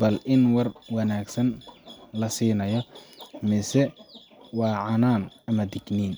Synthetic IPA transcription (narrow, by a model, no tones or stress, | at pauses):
bɐlʔɪnwɑrwɑnaːɡsɐnlɐsiːnɐjɔmɪsɛ | wɑːʕɑnaːnɐmɐd̪ɪɡniːn